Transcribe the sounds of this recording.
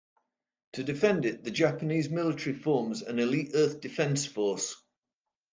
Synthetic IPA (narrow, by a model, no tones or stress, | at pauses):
tʰədɪfɛ̃ndɪʔðəd͡ʒapəniːzmɪlɪtəɹifɔːmzə̰̃nɪliˑtɜˑθd̥ɪfɛ̃nsfɔˑs